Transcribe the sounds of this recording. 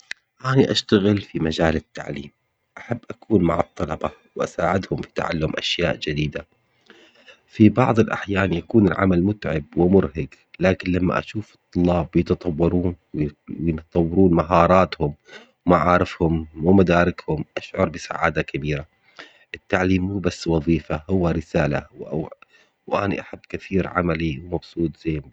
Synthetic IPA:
ʔaːniʔaʃt̪aɣɪlfimad͡ʒaːlɪt̪ːa̰ʕliːm | ʔaħabːʔakuːnmaʕɨt̪ˤːɑlɑbɑ | wʔasaːʕɪd̪hʊmfi̥t̪a̰ʕa̰lːʊmʔa̰ʃjaːʔd͡ʒɪd̪iːd̪a | fibɑʕðˤɨlʔa̰ħjaːnjakuːnɪlʕa̰malmʊt̪ʕɪb̚wɪmʊɾɦaɡ | laːkɪnlamːa̰ʔa̰ʃuːfɨt̪ˤːʊlːɑːbjɪt̪ɑt̪ˤɑwːɑɾˤuːnwwjɪt̪t̪ˤɑwːɑɾuːnmaɦɑːɾˤɑːt̪hʊm | wmaʕɑːɾˤɪfhʊmːumad̪aːɾɪkhʊmʔaʃʕʊɾˤbɪsa̰ʕa̰ːd̪akabiːɾa | ʔɪt̪ːaʕliːmːuːbasːwɑðˤiːfahʊwːaɾɪsaːla̰wa | wʔaːnḭʔaħabːkaθiːɾʕa̰maliwmɑbsˤuːt̪ˤz̥eː

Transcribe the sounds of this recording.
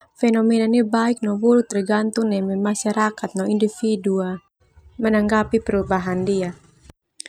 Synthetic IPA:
fɛnɔmɛnanibaik̚nɔwuɾut̪riɡant̪uŋnɛmɛmaʃaɾakat̪̚nɔindifidua | mənaŋɡapipəɾubaɦandia

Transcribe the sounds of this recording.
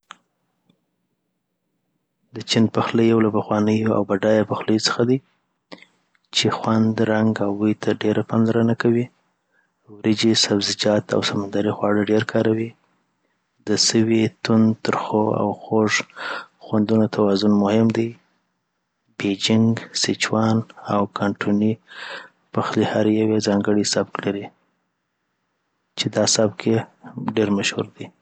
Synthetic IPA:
d̪ət͡ʃinpaxləjawlapaxwɑnəjoa̰wbaɖɑjapaxləjot͡sə̥xad̪i | t͡ʃexwand̪ɾaŋɡawwujt̪ʰaɖeɾʔapɑnlaɾənakawi | wɾɪd͡ʒisabzɪd͡ʒɑt̪a̰wsamand̪ɑɾixwɑɽəɖeɾkʰɑɾawi | d̪əsəwit̪ʊnt̪əɾxoa̰wxoʐxwand̪unot̪ʰawɑzʊnmʊhɪmd̪aj | bed͡ʒɪŋɡsɪt͡ʃwɑnawkʰɑɳʈʰuni | paxlihaɾjawezɑŋɡəɽisab̚klaɾi | t͡ʃed̪ɑsabkeɖeɾmaʃhṵɾd̪i

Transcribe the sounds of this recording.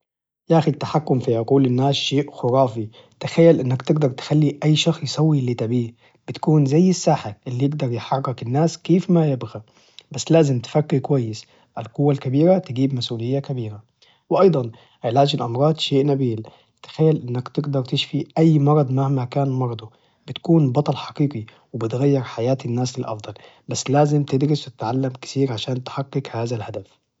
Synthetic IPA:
jaːxʊt̪ːaħakːʊmfiʕʊquːlɪnːaːsʃeːʔxʊɾˤɑːfi | t̪axajːalʔɪnːakt̪ɪɡd̪ɑɾˤt̪ɪ̥xalːiʔajːʃɑxsjsˤɑwːiʔlːit̪abiːh | b̥ɪt̪kuːnzajːɪsːaːħaʔɪlːijɪɡd̪ɑɾˤjɪħɑrːɪkɪnːaːskeːfmajɪbɣa | basːlaːzɪmt̪ɪ̥fakːikwajːɪs | ʔalqʊwːalkabiːɾat̪ɪɡiːbmasʔuːlɪjːakabiːɾa | wɪʔɑjd̪ˤɑn | ʕelaːd͡ʒɪlʔɑmɾˤɑːd̪ˤʃeːʔnabiːl | t̪ɪ̥xajːalʔɪnːakt̪ɪɡd̪ɑɾˤt̪ɪʃfiʔajːmɑɾˤɑd̪ˤmahmakaːnmɑɾˤɑd̪ˤo | bɪt̪kuːnbɑt̪ˤɑlħɑ̥qiːqi | wɪbɪt̪ɣajːɪɾħajaːt̪ɪnːaːslɪlʔɑ̰fd̪ˤɑl | basːlaːzɪmt̪ɪd̪ɾɪswt̪ɪ̥t̪ʕalːamkɪ̥θiːɾʕaʃaːnt̪ħaqːɪkhaːðalhad̪af

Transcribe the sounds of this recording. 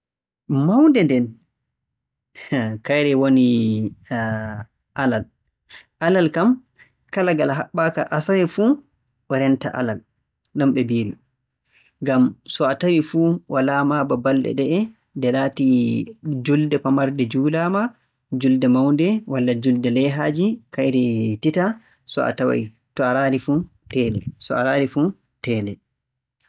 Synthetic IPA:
mawndɛndɛn | kajɾɛwoni | ʔalal | ʔalalkam | kalaɡalɦaɓːakaʔasawɛfu | ʔɔɾɛnta̰ʔa̰lal | ɗɔmɓɛbiːli | ŋɡamsɔatawifuwʔalamababalɗɛ̰ɗɛɛ | dɛlati | d͡ʒuldɛpamaɾdɛd͡ʒuːlaːma | d͡ʒuldɛmawndɛwalːad͡ʒuldɛlɛɦaːd͡ʒikajɾɛtita | sɔ̰a̰tawa̰j | tɔaɾaːɾifu | tɛːlɛ̰sɔ̰a̰ɾaːɾifu | tɛːlɛ

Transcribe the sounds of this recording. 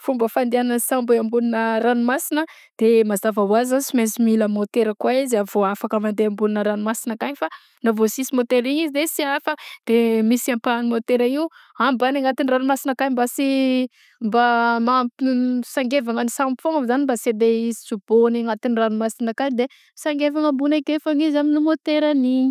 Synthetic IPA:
fumbəfand̪ianənsãmbeambulinəɾanumasinə | d̪̥emazavawazasimesimiləmot̪eɾəkwaizavoafakəmand̪eambulinəɾanumasinəkaɲifa | navosisimot̪eɾiɲizizesiafəd̪̥emisiampanimot̪eɾaiuambanaŋat̪iniranumasinəkaɲimbasi | mbamapisaŋɡevaŋənisamfoŋamzanimbased̪eizisub̥oniŋat̪iniranumasinakaɲd̪e | saŋɡevaŋəmbunakefaŋizaminumot̪eɾaniɲi̥

